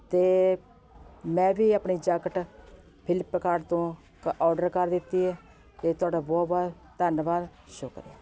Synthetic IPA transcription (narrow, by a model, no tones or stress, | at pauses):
t̪eː | mɛ̃ːʋiːaːpɳiːd͡ʒəkəʈ | pʰɪlɪpːkaːɾɖt̪õː | kɔːɖəɾkəɾd̪ɪt̪ːiːɛː | t̪eːt̪ʊaːɖaːbɔːbaː | t̪ənbaːɾʃoːkəɾiː